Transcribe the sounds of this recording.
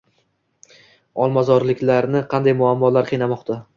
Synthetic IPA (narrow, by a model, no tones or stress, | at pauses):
ɒlˠmazɒɾlɪkʲlaɾnɪqʰɑnd̪ajmʊamːɒlaɾqʰɨjnamɒqt̪ʰa